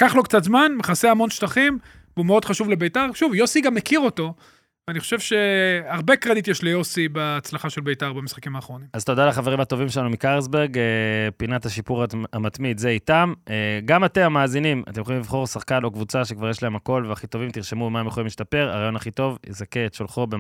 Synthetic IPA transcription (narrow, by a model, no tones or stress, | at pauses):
kaχlo̞kt͡sat̪zmanmeχaseamo̞nʃtaχim | vumeo̞d̪χaʃuvlebe̞jtaʁʃuvjo̞siɡamːe̞kiʁo̞to̞ | veaniχoʃe̞vʃe̞aʁbe̞kʁad̪itjɛʃlejo̞sibaːt͡slaχaʃe̞lbe̞jtaʁbamisχakimaːχʁo̞nimazt̪o̞d̪alaχaveʁimhat̪ovimʃelanumikaʁels̬beʁɡpinat̪haʃipuʁamat̪mid̪zeitameɡamat̪emamaːzinima̰t̪emjolimlivχo̞ʁsaχkano̞kvut͡saʃekvaʁjɛʃlae̞mhako̞lveaχit̪o̞vimt̪iʁʃe̞mubemaemjeχoimliʃtape̞ʁa̰ʁaːjo̞nhaχit̪o̞vjezakeːt̪ʃolχo̞be